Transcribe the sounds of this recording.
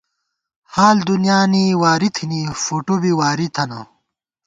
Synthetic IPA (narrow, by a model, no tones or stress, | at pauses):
haːld̪unjaːniwaːɾit̪ʰinifoːʈobiwaːɾit̪ʰɐna̰